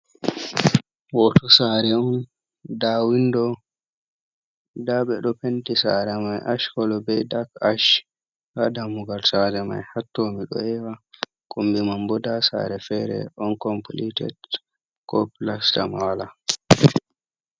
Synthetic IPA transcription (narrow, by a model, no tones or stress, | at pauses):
wɔtɔsaɾɛɔn | dawindɔ | daɓɛɗɔpentisa̰ɾɛmajʔaʃkɔlɔbɛjdakaʃ | kadamuɡalsad͡ʒɛma̰jhatːɔmiɗɔ̰ɛwa | kʼumbimambɔdasa̰ɾɛfɛɾɛ̰ʔɔnkɔmpolitɛ̰t | kɔplasta̰mala